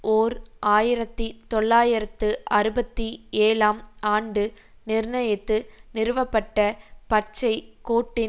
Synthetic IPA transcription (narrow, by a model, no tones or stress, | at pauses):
oːɾʔaːjɪɾɐt̪ːit̪ɔɭːaːjɪɾɐt̪ːɯʔɐɾɯbɐt̪ːieːlaːmaːɳɖɯ | nɪɾɳɐjɐt̪ːɯnɪɾɯʋɐpːɐʈːɐpɐt͡ʃːɐɪkoːʈːɪ